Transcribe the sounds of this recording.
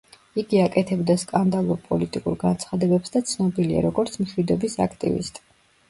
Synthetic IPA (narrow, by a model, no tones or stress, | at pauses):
iɡiakʼɛt̪ʰɛbd̪askʼand̪alˠuɾpʼɔlit̪ʼikʼuɾɡant̪sʰχad̪ɛbɛpsd̪at̪sʰnɔbilia̰ɾɔɡɔɾt̪sʰmʃwid̪ɔbisa̰kʰt̪ʼḭvḭst̪ʼ